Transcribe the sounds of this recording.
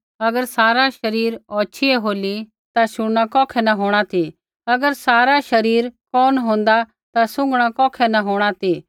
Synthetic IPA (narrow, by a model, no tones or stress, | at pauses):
ɐɡəɾsaːɾaʃɐɾiːɾɔːt͡ʃʰiɛɦoːli | t̪aʃʊɽɽ̃akɔːkʰɛnaɦoːɽ̃at̪ʰi | ɐɡəɾsaːɾaʃɐɾiːɾkɔːnɦõːn̆d̪a | t̪asʊ̃ŋɡɽ̃akɔːkʰɛnaɦoːɽ̃at̪i